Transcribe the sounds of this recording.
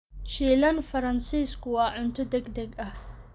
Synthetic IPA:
ʃiːlɐnfɐɾɐnsiːskʰʊwɑːʕʊnt̪ʰɔd̪ɛɡd̪ɛɡɐh

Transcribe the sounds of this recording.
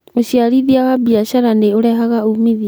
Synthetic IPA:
oɕiaɾiðiawabiaɕaɾaneoɾɛɦaɣaumiðia

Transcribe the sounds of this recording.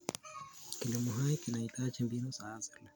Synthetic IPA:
kilimuɦaikinaitat͡ʃɛmbinɔsaːzɛla

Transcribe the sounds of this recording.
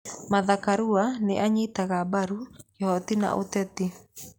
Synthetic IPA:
maðakaɾuanḛʔaɲitaɣabaɾukhɔt̪ina̰ʔo̰t̪ɛt̪i

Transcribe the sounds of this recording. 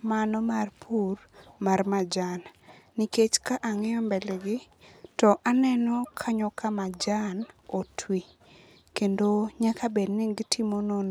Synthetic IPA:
manɔmarpʰurmarmad͡ʒanː | iket͡ʃkaʔaŋɛɔmbɛlɛɡɪ | tɔʔanɛnɔkʰaɲɔkʰamad͡ʒanotʰwi | kendoɲakʰabedniɡitʰimonon

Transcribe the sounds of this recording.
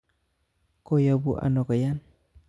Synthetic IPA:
kojabuʔa̰nokajan

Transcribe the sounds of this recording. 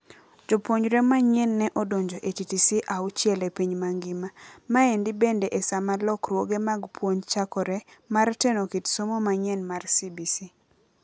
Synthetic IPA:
d͡ʒopwoɲɾɛmaɲɛnːɛʔɔdoɲd͡ʒoʔetitisiʔaut͡ʃɛlepiɲmaŋɡɪmamaendɪbendeʔesamalɔkɾwoɡemaɡpʰwoɲt͡ʃakɔɾɛmartɛnokitsomomaɲɛnmarsibisi

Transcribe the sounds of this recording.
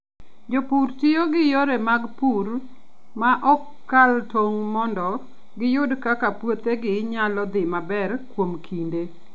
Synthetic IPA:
d͡ʒopurtɪjoɡɪjoɾemaɡpur | maʔɔkː | altoŋmɔndɔ | ɡɪjʊdkakapwot̪eɡɪɲalɔd̪ɪmabɛrkwomkʰinde

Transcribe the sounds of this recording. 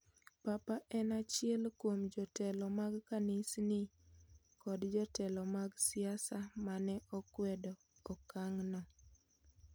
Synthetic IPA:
papaʔɛnat͡ʃɪɛlkwomd͡ʒɔtɛlɔmaɡkanɪsnɪ | kɔdd͡ʒɔtɛlɔmaɡsiasamanɛʔɔkwɛdɔː | kaŋnɔ

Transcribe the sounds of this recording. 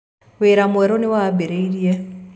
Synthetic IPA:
weɾamuɛɾoniwabeɾeiɾjɛ

